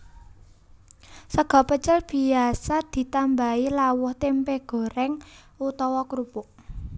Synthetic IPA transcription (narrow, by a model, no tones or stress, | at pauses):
səɡ̥ɔ̤pət͡ʃəlb̥i̤asad̪̥i̤t̪ambailawʊht̪empeɡ̥o̤ɾɛŋ | ut̪ɔwɔkɾupʊʔ